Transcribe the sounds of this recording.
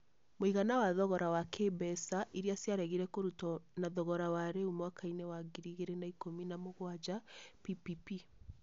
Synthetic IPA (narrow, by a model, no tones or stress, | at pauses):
moiɣanawaðɔɣɔɾawakʰebɛsaʔiɾiasjaɾɛɣiɾɛkoɾutɔnaðɔɣɔɾawaɾeumwakainewaɡiɾiɣeɾenaikominamoɣwad͡ʒapipipi